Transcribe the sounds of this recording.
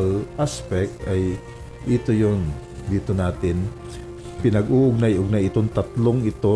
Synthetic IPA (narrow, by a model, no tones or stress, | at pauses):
lʔaspɛk̚t̪ɐj | ʔɪt̪ojond̪iːt̪onaːt̪ɪn | pɪnɐɡuːʔʊɡ̚najʔʊɡ̚najɪt̪oŋt̪ɐt̪loŋɪt̪o̞